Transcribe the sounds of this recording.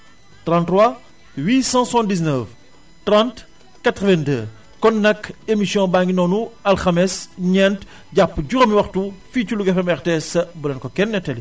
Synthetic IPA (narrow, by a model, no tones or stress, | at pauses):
trãntrwa | wiːsãsuãndis̬nəf | trãnt | kɐtəvɛ̃ndəː | kɔnːɐkːemisjɔ̃baŋɡinɔːnuɐlxɐmɛsɲɛnt | ɟapːɟuɾɐmiwɐxtufiːculuɡɛfɛmɛrtesɐbulɐnkɔkɛnːɛtɛli